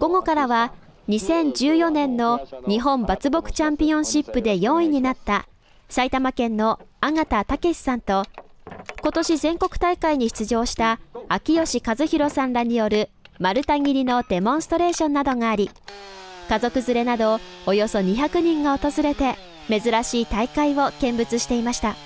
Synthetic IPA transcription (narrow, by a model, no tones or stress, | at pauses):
ɡ̥oɡo̞kaɾaβa | ɲ̟isẽ̞ɲ̟d͡ʑɨːjo̞nẽ̞nːo̞ɲ̟iɦõ̞mbat͡sɨbo̞kɯ̟̥t͡ɕãmpʲiõ̞ɕipːɯ̟d̪e̞jõ̞ɰ̃iɲ̟inat̪ːa | sait̪amakẽ̞nːo̞aŋat̪at̪ake̞ɕi̥sãnt̪o̞ | ko̞t̪o̞ɕizẽ̞ŋko̞kɯ̟̥t̪aikaiɲ̟içi̥t͡sɨʑo̞ːɕi̥t̪aakʲijo̞ɕikazɨçiɾo̞sãnɾaɲ̟ijo̞ɾɯ̟ | maɾɯ̟t̪aŋʲiɾʲino̞d̪̥e̞mõ̞ɰ̃st̪o̞ɾe̞ːɕõ̞nːad̪o̞ŋaːɾʲi | kazo̞kɯ̟zɨɾe̞nad̪o̞ojo̞so̞ɲ̟içakɯ̟ɲ̟ĩŋɡao̞t̪o̞zɨɾe̞t̪e̞ | me̞zɨɾaɕiːt̪aikaiβo̞kẽ̞mbɯ̟t͡sɨɕi̥t̪e̞imaɕi̥t̪a